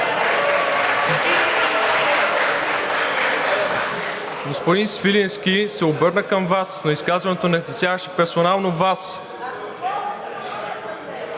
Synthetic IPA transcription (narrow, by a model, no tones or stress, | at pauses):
ɡospod̪insvilɛnsk̟ʲisɛobɤɾnəkəmvasnoiskazvɐnɛt̪onɛzɐsjavəʃɛpɛɾsonalˠnovas